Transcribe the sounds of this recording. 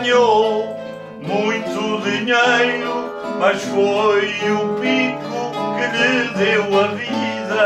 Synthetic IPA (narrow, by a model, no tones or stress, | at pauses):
ɲo | mũj̃t̪uðiɲejɾu | mɐʃfojũpikukɨʎɨðewɐviðɐ